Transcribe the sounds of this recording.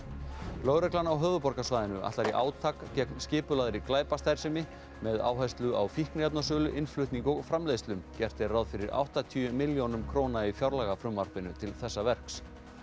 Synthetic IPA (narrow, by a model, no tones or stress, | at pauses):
lowɾɛklanawɦœːvʏpɔɾkasvaːjðɪnʏʔa̰ht̪aɾiʔaːwt̪ʰakcɛknscɪːpʏlaðɾɪklaːjpast̪aj̥sɪmɪ | mɛða̰ːwɦajst̪lʏʔawfihknɪɛp̚nasʏlʏʔɪnflʏht̪niŋkɔɣfɾamleːst̪lʏmcɛr̥t̪ɪrawðfɪɾɪɾa̰wht̪at̪ʰiʏmɪljonʏmkʰɾoːnaifjawɾlaɣafɾʏmvaɾ̥pɪnʏt̪ʰɪlθɛsːavɛr̥ks